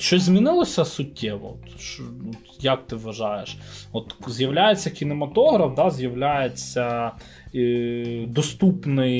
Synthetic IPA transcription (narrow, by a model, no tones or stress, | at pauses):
ʃɔzmʲinɪlˠɔsʲɐsʊtʲːɛʋɔ̰t̪ʃut̪jɐk̚t̪ɪʋʋɐʒɑjeʃɔt̪zʲjɐʋlʲajet͡sʲːɐkʲinemɐt̪ɔɦɾɐfd̪ɑzʲjɐʋlʲajet͡sʲːɐ | d̪ɔst̪upnɪj